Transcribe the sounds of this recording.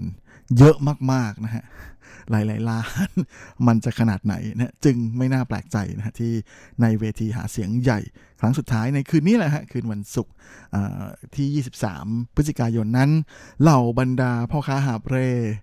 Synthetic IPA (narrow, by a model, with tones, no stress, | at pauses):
jɤ˦˥ʔmaː˥˩k̚maː˥˩k̚na˦˥kʰa˦˥ʔlaː˩˦jlaː˩˦jlaː˧˥nma˧nt͡ɕa˨˩kʰa˧naː˨˩t̪̚na̰˩˦jna˦ha˦˥t͡ɕɯ˧ŋma˥˩jnaː˥˩plɛ̰ː˨˩k̚t͡ɕa̰˧jna̰˦˥kʰa˦˥t̪ʰiː˥˩na˧jweː˧t̪ʰiː˧ɦa̰ː˩˦si˩˦əŋja̰˨˩jkʰɾa˦˥ŋsu˨˩t̪ʰːaː˦˥jna˧jkʰɯː˧niː˦˥˩lɛ˨˩kʰa˦˥kʰɯː˧nwa˧nsu˨˩k̚ | ʔa̰ː˨˩t̪ʰiː˥˩jiː˥˩si˨˩p̚sa̰ː˩˦mpʰɯ˦˥ti˨˩kaː˧jo˧nːa˦˥nla˧˩wba˧ndaː˧pʰɔː˥˩kʰaː˦˥˩ɦaː˨˩p̚ɾeː˧˩